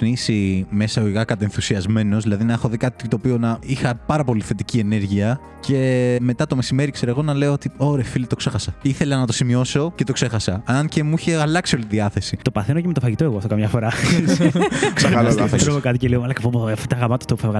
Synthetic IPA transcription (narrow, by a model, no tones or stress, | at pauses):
nisime̞sɐoiɣɐkɐt̪enθusiɐzme̞no̞zðilɐðinɐexo̞ðikɐt̪i̥t̪t̪o̞ːpio̞nɐixɐpɐɾɐpo̞liθe̞t̪icie̞ne̞ɾʝiɐ | ce̞me̞t̪ɐt̪o̞me̞sime̞ɾikse̞ɾoeɣo̞nɐle̞oot̪ioɾefilit̪okse̞xɐsɐiθe̞lɐnɐt̪o̞simio̞so̞ce̞t̪o̞kse̞xɐsɐɐnce̞muiçeɐlɐksio̞lit̪iðiɐθe̞sit̪o̞pɐθenoceme̞t̪ofɐʝit̪oeɣoɐft̪okɐmɲɐfo̞ɾɐ | sɐɐɐesɾookɐt̪iceliomɐlɐkpopft̪ɐɣɐmɐt̪o̥t̪opuθevɣɐ